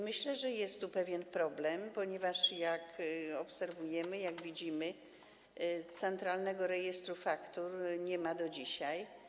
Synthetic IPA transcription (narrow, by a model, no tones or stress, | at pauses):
mɘɕlɛʐɛjɛst̪tːupɛvʲjɛnpɾɔblɛmpɔɲɛvaʂjakɔpsɛɾvujɛmɘjaɡvʲid͡ʑimɘ | t̪sɛnt̪ɾalnɛɡɔɾɛjɛst̪ɾufakt̪uɾɲɛmad̪ɔd͡ʑiɕaj